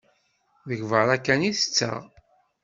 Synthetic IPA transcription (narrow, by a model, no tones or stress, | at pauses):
ðəʝvəɾækːæniθə̥t͡sːæ̰ʁ